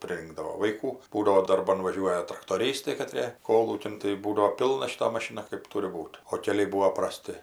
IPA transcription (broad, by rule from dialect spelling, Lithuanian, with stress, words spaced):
pʲrʲɪˈrʲɪŋɡdɐʋoː ʋɐɪˈkuː ˈbuːdɐʋoː dɐrˈbɐn ˈʋɑːʒʲuɔjɛ trɐktoːˈrʲiːstɐɪ kɐˈtʲrʲeː ˈkoːlˠuːkʲɪn tɐɪ ˈbuːdɐʋoː ˈpʲɪlˠnɐ ʃʲɪˈtɐ mɐˈʃʲɪnɐ kɜp ˈtʊrʲɪ ˈbuːt oː kʲɛˈlʲɛɪ ˈbuːoː prɐˈsʲtʲɪ